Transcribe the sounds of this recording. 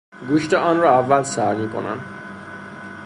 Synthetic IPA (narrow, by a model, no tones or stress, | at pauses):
ɡuːʃt̪eɒːnrɒævːælsæɾmiːkʰo̰næ̰nd̪̥